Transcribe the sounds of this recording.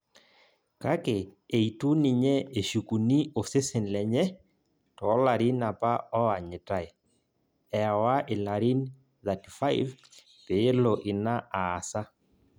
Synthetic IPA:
ka˦kɪ˨e˨i˨tu˦nɪ˨ɲɛ˦e˨ʃu˨ku˨ni˦o˨se˦sɪ˨nlɛ˨ɲɛ˦ | tɔ˨˦la˨ɾi˦na˨pa˦ɔ˦a˨ɲɪ˨ta˦˨e˨ | ɛ˨ɔ˨wa˦ʔɪ˨la˨ɾi˦n | ða˨ti˨fa˦jv | pe˨˦lo˨ʔɪ˨na˦ʔaː˨sa˦

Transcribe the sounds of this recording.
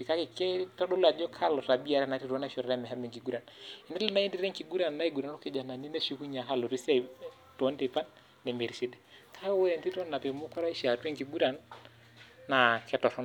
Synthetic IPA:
pi˨ka˦kɪ˨kɛ˦tɔ˦do˦la˨d͡ʒɔ˦kʰa˦lɔ˨ɾa˨bi˦a˨ɾɛ˦na˨ɾi˦ɾɔ˦na˦ʃɔ˨ɾa˦ɛ˦mɛ˨ɦa˦mɛ˨ŋki˨ɡu˦ɾa˨nɛ˨nɛ˦lna˦i˦ndi˦ɾɛ˦ŋki˨ɡu˦ɾa˨nːa˦i˦ɡu˨ɾa˨no˦kɪ˨˦d͡ʒa˨na˨ni˦na˦ʃo˦ku˦ɲa˨ka˦lɔ˨ɾi˦sa˦˨ | tɔ˦nde˨pa˦nː | e˨me˨ɾi˨si˦dɛ˦kʰa˦ɔ˦wɔ˦ɾɛ˨nti˦tɔ˦nːa˨pe˨mʊ˦kɔ˦ɾa˦i˦ʃa˨twɛ˦ŋki˨ɡu˦ɾa˨nː | a˨kɛ˦tɔ˨ɾɔ˦n

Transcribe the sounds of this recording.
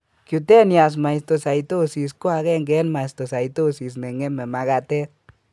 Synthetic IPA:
kju˨t̪e˦nja˨s̬ma˨jst̪o˧sa˨jt̪o˦si˨s̬ko˦a˧ɣe˦ŋɡe˦nma˨st̪o˨sa˨jt̪o˦si˨s̬ne˨ŋe˦me˨ma˧ɣa˧t̪e˦

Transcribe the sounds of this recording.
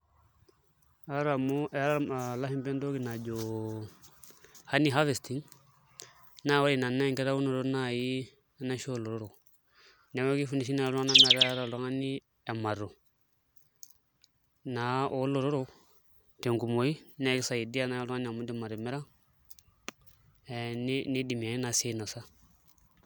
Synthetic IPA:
a˦ɾa˨mo˦ʔɛ˦ɾa˨la˦hi˦mpɛ˦ndo˦ki˦na˨d͡ʒo˨ | ha˦ni˨ɦa˦ve˨sti˦ŋ | na˦wa˦li˨na˨na˦˨ŋkɛ˦ɾa˦wu˦no˨ɾo˦na˦ji˦ | a˦na˦ʃo˦lo˨ɾo˦ɾo˨ | na˨wo˦ki˦fu˦ni˨ʃi˦na˨˦la˦na˦na˨ɾa˦a˦ɾa˨lo˨˦ŋa˦ni˦ | ɛ˨ma˨ɾo˨ | na˨˦ʔo˦lo˨ɾo˦ɾo˦ | te˨ŋku˨mo˨˦i˦na˦i˦sa˨i˨di˦a˦na˨˦lo˦ŋa˦ni˨a˨mu˦di˦ma˨ɾi˨mɛ˦ɾa˦˨ | ni˦ni˦di˨m˨a˨i˦na˨se˦na˨sa˦

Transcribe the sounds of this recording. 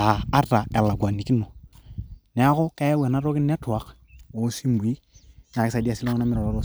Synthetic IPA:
a˨a˦ta˨ɛ˨la˨ɡwa˨ni˨ki˦nɔ˨ | nɛ˦kɔ˦ka˦ja˦wɛ˨na˦ɾɔ˦kɪ˦nːɛ˦tʊ˨a˦k | o˨˦si˦mbi˦ | n˨a˨kɪ˦sa˨di˦a˦˨si˦la˦ŋ˦a˦mɪ˦ɾɔ˨la˨ɾo˦

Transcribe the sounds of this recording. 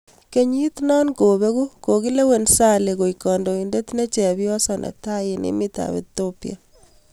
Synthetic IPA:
ke˦ɲi˦t̪nɔ˦nko˨be˦ku˦ko˨ki˦le˦we˨nsa˦le˨ko˨ikɔ˨ndo˨i˨nde˦tne˦t͡ʃɛ˨bjɔ˦sɔ˦nʔḛ˨k̚ta˦jɪ˨nḭ˦mi˦ta̰˨βḛ˨t̪opija̰˨

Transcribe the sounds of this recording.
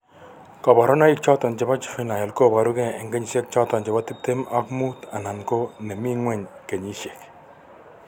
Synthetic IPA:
kɔ˨ba˨ɾɔ˦na˦i˦k̚t͡ʃɔ˦t̪ɔ˨nd͡ʒɛ˨ba˦t͡ʃi̥˨fi˦na˨ja˨lko˦ba˨ɾu˦ɡɛ˦ɛ˨ŋɡe˦ɲi˨se˦k̚t͡ʃɔ˦t̪ɔ˨nd͡ʒɛ˨bat̪ɪ˦p̚t̪ema˦kmu˦t̪a˨na˨nkone˨mi˦ŋwe˦ɲke˨ɲi˦ʃe˨k

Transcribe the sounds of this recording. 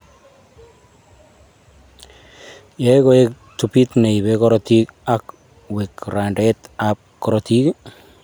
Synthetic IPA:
jeko˦e˦k̚ | tupi˦t̪ne˨i˨βekɔɾɔti˦ka˦k | we˨kɾa˨ndɛ˦t̪ap̚kɔɾɔti˦k

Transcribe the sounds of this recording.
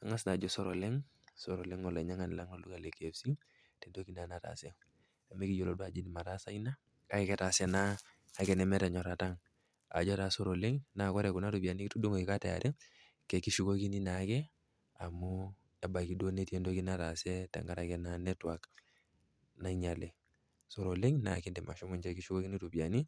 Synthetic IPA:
a˨ŋa˦sna˨d͡ʒɔ˦so˦ɾo˨le˦ŋ | so˨ɾo˨le˦ŋɔ˨le˨ɲa˦ŋa˨ni˨la˦ŋo˨lu˦ka˨le˨ke˨fsi˦ | te˨ndo˦ki˦na˨na˨ta̰˨se˦ | a˨me˦ki˦jo˨lo˦du˦a˨d͡ʒi˦ni˨ma˨ta˦sa˦i˦na˦ | ka˦i˦kɛ˦ta˨sɛ˨naː˦ | kɛ˨nɛ˨mɛ˦tɛ˨ɲɔ˨ɾa˨ta˦ŋ | a̰˨d͡ʒɔ˦ta˨so˦ɾo˨le˦ŋna˨kɔ˦ɾɛ˨ku˨na˦tu˨pi˨a˨ni˦ki˦tu˦du˦ŋo˨i˨ka˦tɛ˨a̰˨ɾɛ˦ | kɛ˨ki˦ʃu˦ko˦ki˦ni˦na˨˦kɛ˦ | a˨mu˦ | ɛ˦ba˨ki˦do˦ne˦tie˦ndo˦ki˦na˦ta˨sɛ˦tɛ̰˨ŋɡa˦ɾa˨kɛ˦na˦nɛ˦twa˨k | na˨˦i˦ɲa˨le˨ | so˨ɾo˨le˦ŋna˨ki˦ndɛ˨ma˨ʃɔ˦mu˨ɲd͡ʒɛ˦ki˦ʃu˦ko˦ki˦ni˦tu˨pi˨a˨ni˦

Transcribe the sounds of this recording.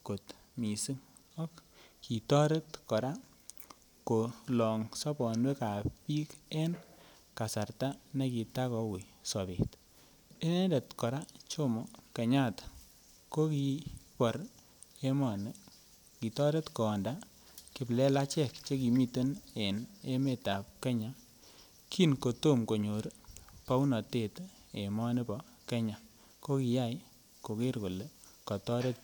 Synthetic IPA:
ko˨t | mi˨si˦ŋ | ɔ˦kːi˨tɔ˦ɾe˦tkɔ˨ɾa˦ | ko˨lɔ˨ŋsɔ˦pɔ˨nwe˦ka˨pi˦ke˦n | ka˨sa˨rta˦ne˦ki˨ta˦kɔ˨wi˨sɔ˨bḛ˨t | i˦ne˦nde˨tkɔ˨ɾa˦t͡ʃo˦mɔ˨ke˨ɲa˦˨t | ko˦ki˨pɔ˨ɾ | e˦mɔ˨ni˦ | ki˨tɔ˦ɾe˦tko˨nda˦ | kɪ˨˦blɛ˦la˦t͡ʃɛ˦˨kt͡ʃe˦ki˨mi˦te˦ne˨ne˦me˦˨ta˨p̚ke˦ɲa˨ | kʰi˦nko˨to˦˨mko˨ɲo˨ɾpa˦wnɔ˨te˦˨t | e˨mɔ˦ni˦pɔ˦ | ke˦ɲa˨ | ko˦ki˨ja˦˨j | ko˨ke˦ɾko˨le˦ | kɔ˨tɔ˦ɾe˦t̚

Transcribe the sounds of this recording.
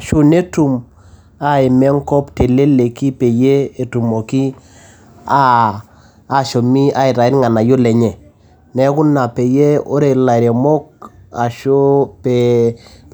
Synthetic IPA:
ʃu˦ne˦tu˨m | a˦i˨mɛ˦ŋ˦kɔ˦pte˨le˦le˨ki˦pe˨je˦e˨tu˨mo˨ki˦ | aː˦˨ | ʃo˨mi˦a˦i˨ɾa˨ɪ˦ɾŋa˨na˨jo˦lɛ˨ɲɛ˨ | nɛ˨˦ku˦nːa˨pe˨je˦o˦ɾe˨la˨ɾe˨mɔ˦k̚a˨ʃo˦pe˨

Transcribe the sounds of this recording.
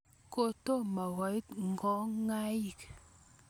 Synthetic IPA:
ko˦to˦ma˨wɔ˨˦jtŋ˨ɡɔ˨˦ŋa˦ji˨k

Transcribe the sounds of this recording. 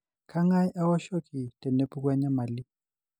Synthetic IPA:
kʰa˦ŋa˦jʔa˦wa˦ʃo˦kʰʼi˨tʼɛ˨ne˦pʰʼu˦k̬ʼwɛ˦ɲa˦ma˨li˦

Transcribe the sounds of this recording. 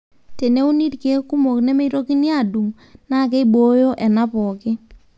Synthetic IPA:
te˨ne˦u˦ni˦tke˦ku˦mo˨knɛ˦me˦i˦ɾo˦ki˦ni˦a˦˨du˨m | na˦˨ke˦i˦ɓo˦jo˦ʔɛ˨na˦pɔ˨kɪ˦

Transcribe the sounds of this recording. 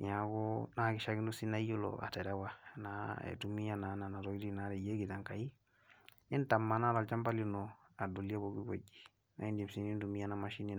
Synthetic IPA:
n˨a˨ɡo˦na˦ki˨ʃa˦ɡi˦ndu˦si˦na˦ju˦lo̰a̰˨tɛ˨ɾa˦wa˦na˨ḛ˨tu˨mi˦ja˦na˨na˨na˨ɾɔ˦i˦di˦na˦ɾe˨je˦ɡi˨ta˨ŋka˨i˦ | i˦nta˨mːa˨na˦ɾa˨lt͡ʃa˦mba˦li˦nɔ˨ | a˨do˨li˦a˦bo˨ɡi˦ɡo̰˨d͡ʒi̥˨ | na̰˨i˦ndi˨msi˨ni˦ndu˨mi˦ja˦na˨maʃi˦ni˨

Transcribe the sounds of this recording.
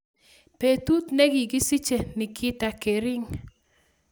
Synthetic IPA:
pe˨t̪u˦t̪ne˦ɡɪ˨ɡɪ˦si˦t͡ʃe˨nɪ˨kʰɪ˦t̪a˨ke˨ɾɪ˦ŋ

